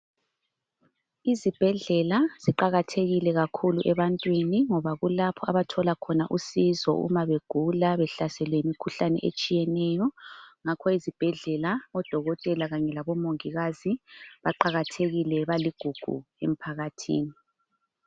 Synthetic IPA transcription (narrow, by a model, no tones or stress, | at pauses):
izib̥ʱɛɮɛlaz̥iǃaɣatʰeɣilɛɣakʰuluʔɛβantʼwiniŋɔβaɣulapʰɔaβatʰɔlakʰɔnaʔusizɔ̰ʔṵmaβeɡ̥ʱulaβɛɬasɛlwɛimikʰuɬanɛ̰ʔḛt͡ʃʼijɛnɛjɔŋakʰɔizib̥ʱɛɮɛlaɔd̥ʱɔɣɔtʼɛlaɣaɲɛlaβɔmoŋiɣaziβaǃaɣatʰeɣilɛβaliɡ̥ʱuɡ̥ʱṵḛm̩pʰaɣatʰḭːni